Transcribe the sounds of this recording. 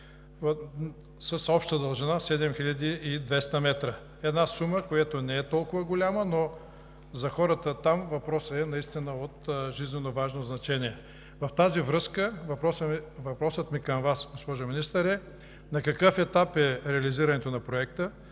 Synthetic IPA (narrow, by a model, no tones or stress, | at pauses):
sɐsɔpʃt̪əd̪əlˠʒinasɛd̪ɛmxiʎʲɐd̪iːd̪vɛst̪əmɛt̪ɾə | ɛd̪nasuməkojat̪onɛɛt̪ɔlˠkʊvəɡolʲaməno | zɐxɔɾət̪ət̪amvɐpɾɔsəɛnɐist̪inəot̪ʒiznɛnovaʒnoznɐt͡ʃɛniɛ | vɐft̪azivɾɤskəvɐpɾɔsəvɐpɾɔsət̪mikɐmvasɡospɔʒominist̪əɾɛ | nɐkɐkɤfɛt̪apɛɾɛɐliziɾɐnɛt̪onɐpɾoɛkt̪ə